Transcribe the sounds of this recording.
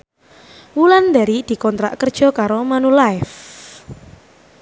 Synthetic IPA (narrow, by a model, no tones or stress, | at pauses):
wuland̪a̤ɾid̪̥i̤kɔnt̪ɾa̰ʔkərd̥ʒ̥ɔ̤kaɾomanulaɪf